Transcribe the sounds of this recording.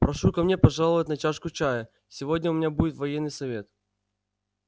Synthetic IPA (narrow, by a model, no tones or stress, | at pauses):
pɾɐʂukɐmnʲepɐʐalˠəvət̚ʲnɐt͡ɕaʂkʊt͡ɕajə | sʲɪvodʲnʲəʊmʲɪnʲabudʲɪt̪vɐjenːɨjsɐvʲe̞t̪